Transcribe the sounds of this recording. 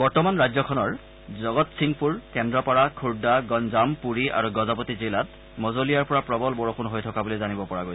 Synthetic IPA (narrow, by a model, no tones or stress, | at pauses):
bɔɹtɔmanɹajzɔkʰɔnɔɹ | zɔɡɔtsiŋpuɹkɛndɹɔpɔɹakʰuɹdaɡɔnzampuɹiʔa̰ɹuɡɔzapotizilat | mɔzolijaɹpɔɹapɹɔbɔlbɔɹɔkʰunɦojtʰɔkabulezanibɔpɔɹaɡojsɛ